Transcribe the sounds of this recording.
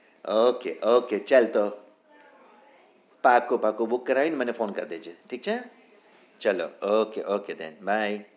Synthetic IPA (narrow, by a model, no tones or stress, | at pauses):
okeʔoket͡ʃɐlt̪o | pakopakobukːɐɾainimɐnefoːnkɐɾd̪ed͡ʒɨʈʰik̚t͡ʃʰa | t͡ʃɐlo̰okeʔoked̪ḛnbaj